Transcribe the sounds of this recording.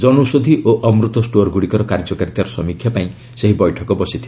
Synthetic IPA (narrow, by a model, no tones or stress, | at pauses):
d͡ʒɔnusod̪ʱiʔoʔɔmɾut̪ɔsʈoɾɡuɽikɔɾɔkaɾd͡ʒɔkaɾit̪aɾɔsɔmikʰjapaĩ | seɦibɔjʈʰɔkɔbɔsit̪ʰi